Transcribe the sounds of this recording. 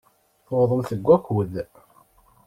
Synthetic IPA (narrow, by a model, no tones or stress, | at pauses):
θoðˤəmθəɡʷːækwəð